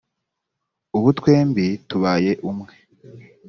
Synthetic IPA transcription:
uβutkwe̞ːmbituβaːje̞ʔumŋe̞̥

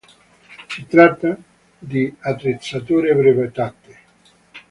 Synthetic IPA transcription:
sit̪ɾat̪ːa | d̪iat̪ːɾet̪sat̪oːɾepɾevet̪at̪ːe

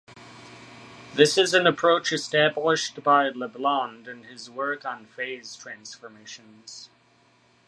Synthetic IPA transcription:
ðɪsɨzɨ̃nəpʰɹ̥oʊt͡ʃɨstæblɪʃtb̥aɪləblɑ̃ndɨ̃nɪzwɜ˞kn̩feɪz̥tʰɹ̥æ̃nsfə˞meɪʃɨ̃n | z̥

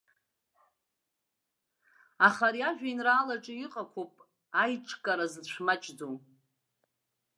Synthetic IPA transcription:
aχaɾiaʒᶣʷainraːlaʈ͡ʂʼɪiqʼakʷʰopʼ | ajʈ͡ʂʰʼkʼaɾazt͡ʃʷʰmat͡ʃʼd͡zo

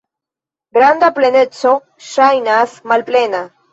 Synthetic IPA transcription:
ɡɾand̪aplenet͡so | ʃajnasmalplena

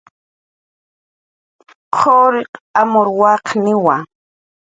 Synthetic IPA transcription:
qʰoɾɪqamoɾwɑqnɪwa

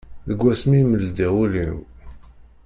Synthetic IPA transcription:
ðəɡʷːæsmiməld̪æwulin

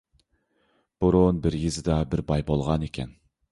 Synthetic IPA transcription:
b̥uɾunbɪɾjizɪd̪ɑbɪɾbɑjbolˠʁɑnekʲʰɛ̰n

